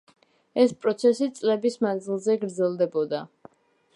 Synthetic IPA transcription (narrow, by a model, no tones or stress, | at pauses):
ɛspʼɾɔt̪sʰɛsit̪sʼlɛbismand̪zilˠzɛɡɾd̪zɛlˠd̪ɛbɔd̪a